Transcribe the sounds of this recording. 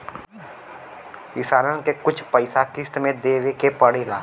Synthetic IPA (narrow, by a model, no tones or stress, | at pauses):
ɪsaːɾənkekʊt͡ʃʰpəɪsakɪst̪mẽd̪eːʋekepɐɽeːlaː